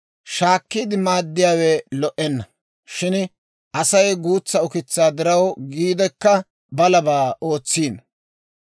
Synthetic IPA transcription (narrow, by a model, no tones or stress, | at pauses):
ʃaːkːiːd̪ɪmaːd̪ːɪjaːwɛlɔʔɛnːɐ | ʃɪn | ʔɐsɐjɡuːt͡sːɐʊkɪt͡sːaːd̪ɪɾɐwɡiːd̪ɛkːɐ | bɐlɐbaːo̞ːt͡sːiːn